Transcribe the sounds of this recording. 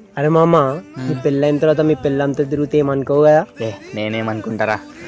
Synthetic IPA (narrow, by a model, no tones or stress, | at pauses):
ɐɾemaːmːamiːpilːɐjmt̪ɐɾʋaːt̪̬ɐmiːpilːɐmt̪ɐd̪iɾut̪eːmɐnkɐwɡajaːeneːneːmɐnkuɳʈaːɾaː